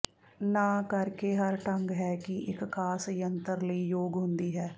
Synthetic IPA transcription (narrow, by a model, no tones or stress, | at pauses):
naːkəɾkeːɦəɾʈəŋɡɦɛːkɪʔɪkːaːsjənt̪əɾləiːjoːɡɦʊnd̪iːɦɛː